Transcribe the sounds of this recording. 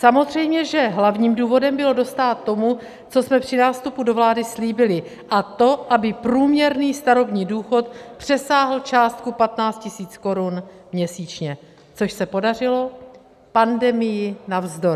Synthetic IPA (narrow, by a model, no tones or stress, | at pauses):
samo̞zr̝ɛjmɲɛʒɛɦlavɲiːmduːvo̞dɛmbɪlo̞do̞st̪aːt̪ːo̞mu | t͡so̞smɛpr̝̥ɪnaːst̪upudo̞vlaːdɪsliːbɪlɪ | ʔat̪o̞ʔabɪpɾuːmɲɛɾniːst̪aɾo̞bɲiːduːxo̞t̪̚pr̝̥ɛsaːɦl̩t͡ʃaːst̪̚kupat̪naːt͡st̪cɪsiːt͡sko̞ɾunmɲɛsiːt͡ʃɲɛ | t͡so̞ʃsɛpo̞darɪlo̞ | pandɛmɪjɪnavzdoɾ